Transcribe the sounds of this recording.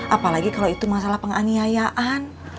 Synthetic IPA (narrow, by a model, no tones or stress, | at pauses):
ʔapalaɡikalowit̪umasalahpəŋaniajaʔan